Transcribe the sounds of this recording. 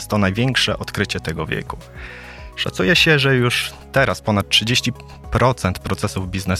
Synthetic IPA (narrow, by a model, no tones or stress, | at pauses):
st̪ːɔnajvʲjeŋkʂɛ̰ʔɔt̪kɾɘt͡ɕɛt̪ɛɡɔvʲjḛku | ʂa̰t̪sujɛɕɛʐɛjuʂt̪ɛɾaspɔnat̪̚tʂɘd͡ʑeɕt͡ɕi | pɾɔt̪sɛnt̪pɾɔt̪sɛsuvbʲiznɛ